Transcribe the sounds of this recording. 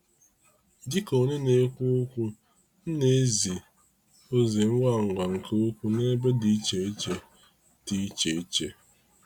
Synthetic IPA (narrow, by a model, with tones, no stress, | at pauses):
di˦ko˨ne˦ne˦kʷu˦o˦kʷu˦ | n̩˦ne˨˦zi˨ | o˦ze˨m̩˦wa˦˨ŋ̩˨ɡʷa˨ŋ̩˨kʰe˦o˦kʷu˦ne˦be˦di˨i˦t͡ʃe˨i˦t͡ʃe˨ | ti˦t͡ʃe˨i˦t͡ʃe˨